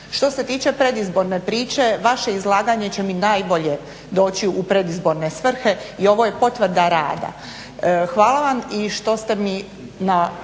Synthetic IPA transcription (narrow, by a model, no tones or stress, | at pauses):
ʃt̪o̞se̞t̪iːt͡ʃe̞pɾe̞d̪izbo̞ɾne̞pɾiːt͡ʃe̞ʋaʃe̞izlˠaːɡaɲe̞t͡ɕe̞minaːjbo̞ʎe̞ | d̪o̞ːt͡ɕiupɾe̞d̪izbo̞ɾne̞sʋr̩xe̞io̞ʋo̞je̞po̞t̪ʋɾd̪aɾaːd̪a̰ | xʋaːlˠaʋamiʃt̪o̞st̪e̞mi | na